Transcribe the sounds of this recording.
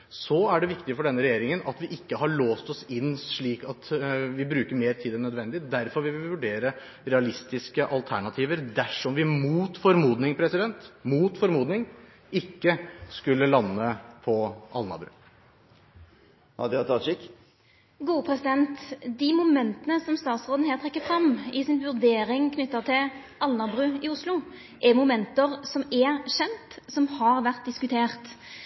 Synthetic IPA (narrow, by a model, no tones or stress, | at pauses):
sɔæɖɛʋɪkt̪ɪfɔɖɛnːəɾɛjeːɾɪŋənɑt̪ʋɪʔɪkːəɦɑɭoːst̪ɔsɪnːsʂɭiːkɑt̪ʋɪbɾʉːkəɾmeːɾt̪ʰiːd̪ɛnːœd̪ʋɛnd̪ɪd̪æɾfɔɾʋɪlʋɪʋɪʋʉɖeːɾə | ɾɛɑlɪst̪ɪskəʔɑlt̪ʰæɳɑt̪ʰiːʋəɾd̪æʂɔmʋɪmuːt̪fɔɾmuːd̪nɪŋpʰɾɛsɪd̪ɛnt̪muːt̪fɔɾmuːd̪nɪŋ | ɪkːəskʉlːəlɑnːəpʰɔɑ̰lnɑ̰ɾbɾʉ̰ː | hɑ̰d̪ɛɑt̪ʰɑʃɪk | ɡuːəpʰʁɛsɪd̪ɛnt̪d̪ɪmʊmɛnt̪ənəsɔmst̪ɑːt̪sʁoːd̪n̩ɦæːʁt̪ʰʁɛkːəfʁɑmɪsɪnʋʉʁd̪eːɾɪŋkʰnʏt̪ːəʁt̪ʰɪl | ɑlnɑʁbʁʉːɪʊslʊ | ʔɛmʊmɛnt̪əʁsɔmɛɕɛnt̪sɔmhɑʁʋæʁt̪̚d̪ɪskʉt̪ʰeːʁt̪